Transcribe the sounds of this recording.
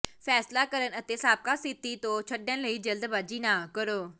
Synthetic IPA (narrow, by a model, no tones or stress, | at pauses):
pʰɛːslaːkəɾənət̪eːsaːp̚kaːsɪt̪ːiːt̪õːt͡ʃʰəɖə̃nləiːd͡ʒəld̪baːd͡ʒiːnaːkəɾoː